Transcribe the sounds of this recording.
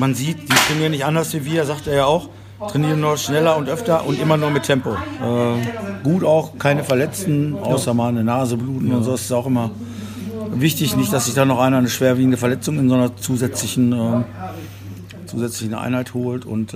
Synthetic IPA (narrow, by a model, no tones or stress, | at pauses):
manziːtd̥iːtʁ̥ɛniːʁənːɪçtʔandɐsv̥iːviːɛzaːk̚teːɐjaːaʊx | tʁ̥ɛniːʁənːuɐʃnɛlɐʊntʔœftɐʔʊntʔɪmɐnuːɐmɪtʰɛmpoʔɛːɡ̥uːtaʊxkʰaɪnəfɛɐlɛt͡stn̩ʔa̰ʊsɐmaːnənaːzəbluːtn̩ʊntzoːɛsɪ̥staʊxʔɪmɐ | vɪçtɪçnɪçtd̥asz̥ɪçd̥anɔχʔaɪnanəʃv̥eːɐviːɡŋ̩dəfɛɐlɛt͡sʊŋɪnzoːnɐt͡suːzɛt͡slɪçn̩ɛː | t͡suːzɛt͡slɪçn̩ʔa̰ɪnhaɪthoːltʊ̰nt